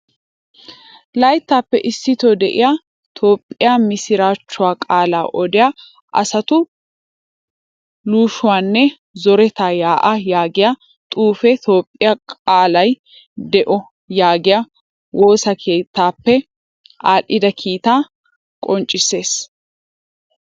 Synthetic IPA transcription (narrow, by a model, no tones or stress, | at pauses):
lɐjt̪ːaːpːɛʔɪsːɪt̪od̪ɛʔɪ̰ja | t̪ʰo̞ːpʼːɪjaːmɪsɪɾaːt͡ʃːʊwaːkʼaːlaːʔɔd̪ɪja | ʔɐ̰sɐt̪ʊ | luːʃʊwaːnːɛ | zɔɾɛt̪aːjaːʔɐjaːɡɪja | t̪ʼuːfɛt̪o̞ːpʼːɪjakʼaːlɐj | d̪ɛʔɔ | jaːɡɪja | wo̞ːsɐkʰe̞ːt̪ːaːpːɛ | ʔaːlʔɪd̪ɐkʰiːt̪aː | kʼɔnt͡ʃʼːɪsːe̞ːs